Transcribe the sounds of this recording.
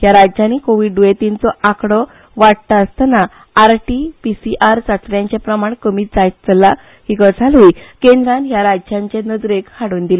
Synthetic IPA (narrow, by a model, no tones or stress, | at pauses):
jaɾad͡ʑd͡ʑjanikoʋiːɖuet̪int͡sɔʔakɽɔ | ʋaɽt̪aəst̪əna | aɾʈipisiʔaɾsat̪ɾjãɲt͡ɕapɾəmaɳkəmiːt̪d͡zajt̪t͡səlːa | hikəd͡zʱalikẽnd̪ɾãnɦjaɾad͡ʑd͡ʑjãɲt͡ɕenəd̪ɾekhaɽuːnd̪ilə